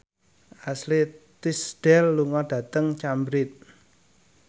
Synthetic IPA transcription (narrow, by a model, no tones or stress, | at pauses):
ʔaslit̪isɖ̥ɛlːuŋɔɖ̥ä̤t̪əŋt͡ʃambɾɪt̪̚